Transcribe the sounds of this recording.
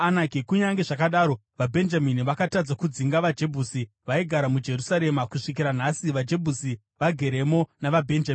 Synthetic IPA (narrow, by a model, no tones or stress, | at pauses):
anakikuɲaŋɡe̞ʐakaɗaːɾo̞ | ʋabʱe̞nd͡ʒaminiʋakatad͡zakud͡ziŋɡaʋad͡ʒe̞bʱusi | ʋaiɡʱaɾamud͡ʒe̞rusaɾe̞makuʂik̬iɾan̤asiʋad͡ʒe̞bʱusi | ʋaɡʱe̞ɾe̞mo̞naʋabʱe̞nd͡ʒami